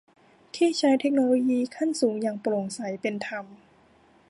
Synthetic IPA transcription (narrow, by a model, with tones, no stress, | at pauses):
t̪ʰiː˥˩t͡ɕʰaː˧˥jt̪ʰe˦˥k̚noː˧loː˧jiː˧kʰa˥˩nsuː˩˦ŋjaː˨˩ŋploː˨˩ŋsa˩˦jpe˧nt̪ʰa˧m